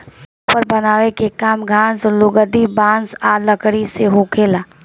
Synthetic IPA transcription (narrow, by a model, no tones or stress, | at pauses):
pː | pəɾbɐnaːʋekekaːmɡʱãːnsɔlʊɡəd̪ibãːnsaːləkɽiseɦokʰeːlaː